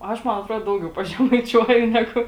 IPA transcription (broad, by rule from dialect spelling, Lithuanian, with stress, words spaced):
ˈɐʃ ˈmɐn ɐtˈruɔt ˈdɐʊɡʲɛʊ pɐʒʲɛmɐɪˈt͡ʃʲuɔjʊ ˈnʲæːɡʊ